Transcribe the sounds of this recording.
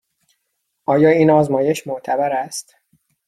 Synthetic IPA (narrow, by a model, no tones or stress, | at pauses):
ʔɒːjɒːiːnɒːzmɒːjeʃmoʔt̪ʰæbæɾæst̪